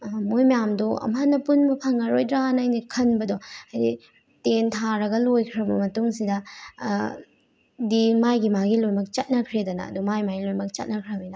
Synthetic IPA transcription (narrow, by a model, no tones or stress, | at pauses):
mojmɐjamdoɐ̰manɐpunbɐpʰaŋɐɾojdɾanajnikʰɐnbɐdɔajdi | tentʰaɾɐɡɐlojkʰɾɐbɐmɐtuŋsidɐ | dimajɡimaɡilojbɐk̚t͡ʃɐt̚nɐkʰɾedɐnɐ̰ːdumajmaɡilojbɐk̚t͡ʃɐt̚nɐkʰɾɐmidɐ